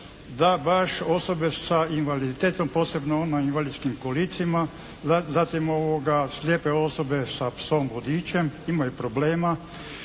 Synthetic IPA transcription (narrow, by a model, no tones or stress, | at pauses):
d̪abaʃo̞so̞be̞sainʋalid̪it̪eːt̪o̞mpoːse̞bnoonoinʋalid̪skimkolit̪sima | zat̪imoʋoɡaslʲjeːpeo̞so̞be̞sasoːmbod̪iːt͡ɕe̞mimajupɾobleːma